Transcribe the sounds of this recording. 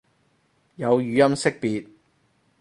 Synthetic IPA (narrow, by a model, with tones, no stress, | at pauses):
jɐ˨˧wjyː˨˧jɐ˥msɪ˥k̚piː˨˧t̚